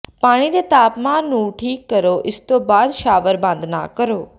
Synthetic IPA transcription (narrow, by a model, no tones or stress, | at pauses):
paːɽ̃id̪et̪aːpmãːnːũːʈʰiːkːəɾoʔɪst̪obaːd̪ʃaːʋəɾbãːnd̪ʱna̰ːkəɾoː